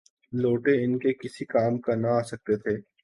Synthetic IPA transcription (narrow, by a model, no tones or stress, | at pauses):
loːʈeɪnkekɪsikaːmkanaaːsɐk̚t̪et̪ʰeː